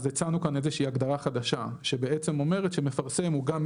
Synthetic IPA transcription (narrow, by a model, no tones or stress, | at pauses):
zet͡sanukanezeʃiːaɡd̪aʁaχad̪aʃa̰ʃebe̞et͡semo̞me̞ʁetʃeme̞faʁse̞muɡam